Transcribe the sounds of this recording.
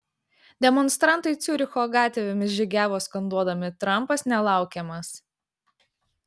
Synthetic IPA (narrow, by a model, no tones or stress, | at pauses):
d̪ʲɛmɔnst̪ɾɑnt̪ɐɪt̪sʲuːɾʲɪxoːɡɑːt̪ʲɛʋʲɛmʲɪsʒʲɪɡʲæːʋoːskɐnd̪uɔd̪ɐmʲɪt̪ɾɐmˑpɐsnʲɛlˠɑˑʊkʲɛmɐs